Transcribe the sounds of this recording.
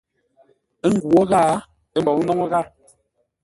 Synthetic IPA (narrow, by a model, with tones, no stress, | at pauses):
ə˦ŋ̩˦ɡu˨ɔ˦ɣa˦˨ | ə˦m˨bɔ˨ŋ˦nɔ˦ŋɔ˦ɣa˦˨